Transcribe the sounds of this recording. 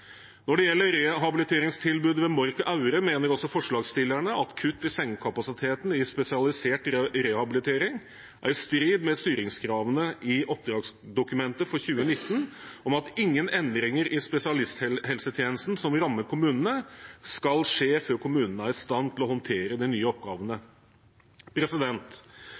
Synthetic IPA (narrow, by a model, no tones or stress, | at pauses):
nɔɖɛjɛlːəɾɛɦɑbɪlɪt̪ʰeːɾɪŋst̪ʰɪlbʉːd̪ʋɛmɔɾkʔɑʉɾəmeːnəɾɔsɔfɔʂɭɑːɡst̪ɪlːæɳəʔɑt̪kʰʉt̪ːɪsɛŋkʰɑpɑsɪt̪ʰeːt̪n̩ɪspɛsɪɑlɪseːʈɾɛhɑbɪlɪt̪ʰeːɾɪŋ | ʔæ̰ɾst̪ɾiːd̪mɛst̪yːɾɪŋskʰɾɑːʋənəɪʔɔp̚d̪ɾɑːɡsd̪ʊkʉmɛnt̪əfɔɾçʉːənɪt̪ːənɔmɑt̪ɪŋːənɛnd̪ɾɪŋəɾʔɪspɛsɪɑlɪst̪hɛlsət̪ʰjeːnəst̪n̩sɔmɾɑmːəkʰʊmʉːnənəskɑlʂeːføːɾkʰʊmʉːnnəæɾɪst̪ɑnt̪ʰɪlɔhɔnt̪ʰeːɾəd̪ɛnyːəɔp̚ɡɑːʋənə | pʰɾɛsɪd̪ɛnt̪